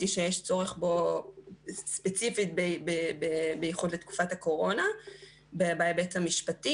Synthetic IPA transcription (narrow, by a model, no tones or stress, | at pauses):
tiʃejeʃt͡so̞ʁeχbo̞ | spet͡sifit̚bebebebejeχudlet̪ku̥fatako̞ʁo̞na | bebaːjabetamiʃpati